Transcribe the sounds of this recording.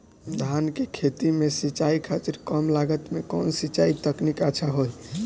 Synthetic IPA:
d̪ʱankekʰet̪imesit͡ʃaikʰat̪iɾkɔmlaɡət̪mekɔnsit͡ʃait̪əknikəːt͡ʃʰaɦoj

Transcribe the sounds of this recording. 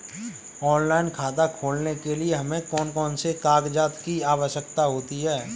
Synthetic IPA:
ɔːnlaːɪnkʰaːt̪akʰoːlnekelieɦɐmẽkɔːnkɔːnsekaːɡd͡ʒaːt̪kiaːʋəʃjəkt̪aɦoːt̪iɦɛː

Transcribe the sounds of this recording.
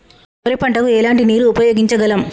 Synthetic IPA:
oɾipɐɳʈɐkuɛlaːɳʈiniːɾuːpɐjoːɡiɲt͡ʃɐɡɐlɐm

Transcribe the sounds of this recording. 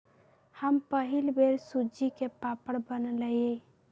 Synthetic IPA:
həmpəɦɪlbeɾsud͡ʒikepapəɽbənləje

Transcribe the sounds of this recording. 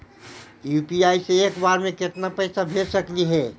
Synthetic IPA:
juːpiaːiseeːkbaːɾmẽkɪt̪napəːsabʱeːsəkliɦɛː

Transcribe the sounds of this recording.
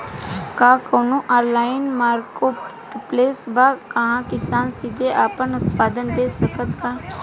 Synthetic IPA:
kãːkoːnũːʔaːɾlaːɪnmaːɾkoːʈpleːsbaːkəɦãːkɪsaːnsid̪eːʔaːpənʊt̪paːd̪ənbeːsəkət̪ʋaː

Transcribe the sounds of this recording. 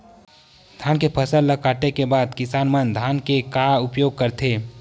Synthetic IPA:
d̪ʱaːnkepʰəsəlləkaːʈekebaːd̪kɪsaːnmənd̪ʱaːnkekaʊpjoːɡ̚kəɾt̪ʰeː

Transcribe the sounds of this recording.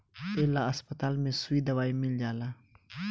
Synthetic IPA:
telaɐspət̪aːlmẽsuid̪ɐwaːimild͡ʑaːla

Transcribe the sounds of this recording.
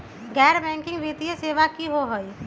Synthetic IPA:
ɡɛːɾbɛ̃ːŋkɪ̃ŋɡʋit̪ijəseːʋakiɦoɦoi

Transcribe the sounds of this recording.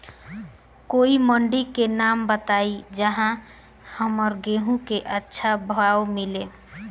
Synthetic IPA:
koiməɳɖikenambət̪aid͡ʒəɦã | həməɾɡeɦũkeʔətːʃʰabʱəwaomile

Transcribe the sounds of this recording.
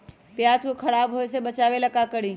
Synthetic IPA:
pjaːt͡ɕkʊkʰɐɽaːbɦoeseɓɐt͡ɕaːʋelɐkakɐɽĩː

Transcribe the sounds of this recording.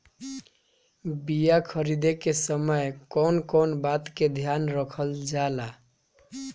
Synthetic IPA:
bijakʰəɾid̪ekesəməjkonkonbat̪ked̪ʱjanɾəkʰəld͡ʒala

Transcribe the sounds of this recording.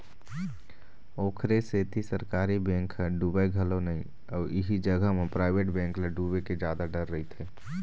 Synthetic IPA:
oːkʰɾeset̪isəɾkaːɾibɛ̃ːŋkɦɖubeɡʱəlonəĩ | ɔːɾiɦid͡ʒəɡəɦmepɾaːɪbeʈbɛ̃ːŋkleɖubeked͡ʒaːd̪aɖəɾːəɦit̪ʰɦɛː

